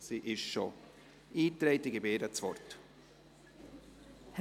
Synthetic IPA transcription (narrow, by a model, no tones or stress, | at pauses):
siʔɪʃʃo̰ | iːt̪ɾeɪtiɡebeːɾət͡svɔ̰rt | h